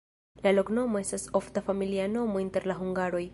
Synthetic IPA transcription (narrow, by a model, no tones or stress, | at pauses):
lalo̞kno̞mo̞e̞staso̞ftafamiliano̞mo̞inte̞ɾlaɦuŋɡaɾo̞j